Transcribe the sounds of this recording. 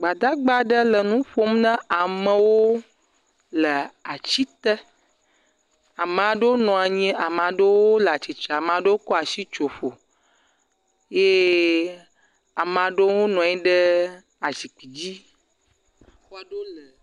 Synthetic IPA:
ɡ͡ba˨d̪a˦ɡ͡ba˦ɖə˦lə˨nũ˦ɸo˦m˦nə̃˦a˨mə̃˦wo˦ | lə˨a˨t͡ɕi˦t̪ə˦ | a˨mə̃˨a˨ɖə˦wo˦nɔ̃˨a˨ɲɛ̃˦ʔa˨m˨ã˨ɖə˦wo˦lə˨a˨t͡ɕi˨t͡ʃa˨a˨m˨ã˨ɖə˦wo˦kɔ˦a˨si˦t͡ʃo˨ɸo˨ | je˦ | a˨m˨ã˨ɖə˦wo˦nɔ̃˨ɛ˦ɖə˦ | a˨zi˨k͡pi˨d͡ʑi˦ | a˨xɔ˦a˨ɖo˦lə˨

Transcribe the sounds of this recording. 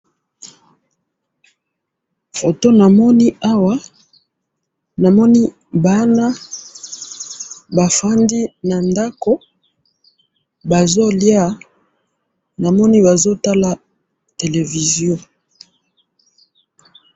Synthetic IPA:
fo˨to˦na˨mɔ˦ni˦a˦wa˦ | na˨mɔ˦ni˦ | ba˦na˦ | ba˨fa˦ndi˦na˨nda˦ko˦ | ba˨zo˦lja˦˨ | na˨mɔ˦ni˦ba˨zo˦ta˦la˦ | te˨le˨vi˨zjɔ̃˦

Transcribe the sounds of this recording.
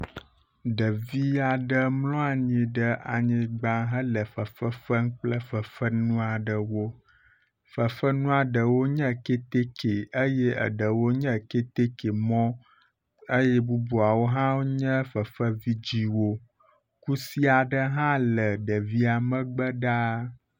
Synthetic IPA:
ɖə˨vi˦a˨ɖə˦mlɔ̃˦a˨ɲĩ˨ɖə˦ʔa̰˨ɲĩ˨ɡ͡bã˦ɦə˦lə˨fə˨fə˦fə˦ŋ̩˦k͡plə˦fə˨fə˦nũ˦a˨ɖə˨wo˦ | fə˨fə˦nũ˦a˨ɖə˨wo˦ɲə̃˦ke˦t̪e˦ke˨ə˦je˦ə̰˨ɖə˨wo˦ɲə̃˦˨ke˦t̪e˦ke˨mɔ̃˦ | ə˦jɛ˦bu˦bu˨a˨wo˦ɦã˦wo˦ɲə̃˦fə˨fə˦vi˦d͡ʑi˦wo˦ | ku˦si˦a˨ɖə˦ɦã˦lə˨ɖə˨vi˦a˨mə̃˦ɡ͡bə˦ɖa˦

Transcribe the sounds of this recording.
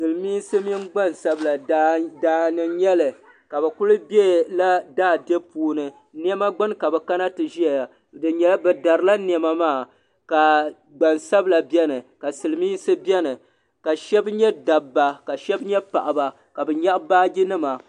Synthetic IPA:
sɨ˨lɨ˨miː˦sɨ˦mi˦n˦ɡ͡ba˦nsa˦bla˨daː˨nɨ˨ɲɛ˦lɨ˨ | ka˨bɛ˨kʊ˦lɨ˦bɛ˦la˦daː˦˨dɛ˦puː˦nɨ˨ | ni˦ɛ˦ma˦ɡ͡bɨ˦nka˨bɛ˨ka˦na˦tɨ˨ʒi˦a˨ | dɨ˨ɲɛ˦la˦bɛ˨da˨ɾɨ˦la˦n˨ɛ˨˦ma˦maː˦˨ | ka˨ | ɡ͡ba˨nsa˦bla˨bjɛ˦nɨ˨ka˨sɨ˨lɨ˨miː˦sɨ˦bɛ˦nɨ˨ | ka˨ʃɛ˦bɲɛ˦da˨bːa˨ka˨ʃɛ˦bɲɛ˦pa˨ʔa˨ba˨ | ka˨bɛ˨ɲa˦ʔbaː˦ɡʲi˦nɨ˦ma˨

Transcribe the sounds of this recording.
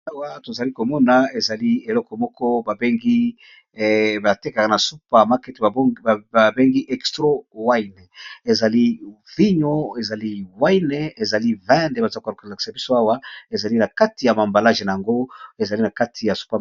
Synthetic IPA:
a˦wa˦to˨za˨li˦ko˨mɔ˦na˨e˨za˨li˦e˨lɔ˦kɔ˨mɔ˦kɔ˦ba˨be˦ŋɡi˦ | ba˨te˦ka˨kna˨su˦pa˨ma˦kɛ˦ta˨be˦ŋɡi˦ʔɛ˨kstʁo˦wa˦ine˨e˨za˨li˦ | vi˦ɲo˦e˨za˨li˦wa˦jne˨˦e˨za˨li˦vɛ̃˦nde˦ba˨za˦kka˨ki̥˨sa˨bi˦so˦a˦wa˦e˨za˨li˦na˨ka˦ti˨ja˨ma˨mba˨la˦ʒe˨na˨ja˨ŋɡo˦e˨za˨li˦na˨ka˦tʰi˨ja˨su̥˦pa˦

